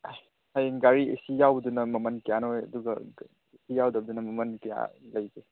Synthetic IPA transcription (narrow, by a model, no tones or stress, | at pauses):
hajɡaɾiḭsijawdunɐmɐmɐnkijanɔɐ̰duɡɐ̰ | isijawdɐb̚dunɐmɐmɐnkija̰lɐjke